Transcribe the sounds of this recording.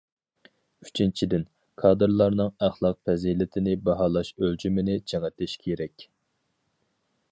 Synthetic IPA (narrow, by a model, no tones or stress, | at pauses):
y̥t͡ʃʰint͡ʃʰid̪ɪn | kʰɑːd̪ɨɾlˠɑɾnɨŋæχlˠɑq̚fɛzilɪt̪ʰɪnɪbɑɦɑːlˠɑʃøld͡ʒymɪnɪd͡ʒʰɛŋɛt̪ʰɪʃkʲʰeɾɛkʲ